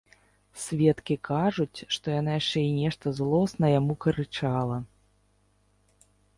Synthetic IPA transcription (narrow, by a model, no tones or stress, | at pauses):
sʲvʲɛt̪kʲikʰaʐut͡sʲʂt̪ɔjanajaʂt͡ʂɛinʲɛʂt̪ɐzlˠɔsnɐjamukɐɾɨt͡ʂalˠɐ